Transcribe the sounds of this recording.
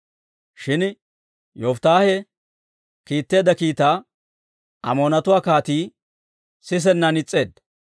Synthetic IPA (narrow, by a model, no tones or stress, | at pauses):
ʃɪn | jɔft̪aːhɛ | kiːt̪ːeːd̪ɐkiːt̪aː | ʔɐ̰moːnɐt̪ʊwaːkaːt̪iː | sɪs̬ɛnːɐnɪt͡sʼːe̞ːd̪